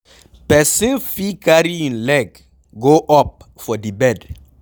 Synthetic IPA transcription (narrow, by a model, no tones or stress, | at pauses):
pɛsĩnfikaɾiĩnlɛɡ | ɡoʔɔp̚ | fɔdibɛd